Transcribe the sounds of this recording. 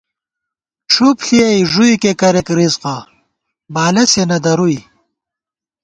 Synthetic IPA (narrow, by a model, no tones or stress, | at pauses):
ʈ͡ʂʰupɬiɐjʐujkekɐɾekɾizqa | baːlɐsenɐd̪ɐɾuj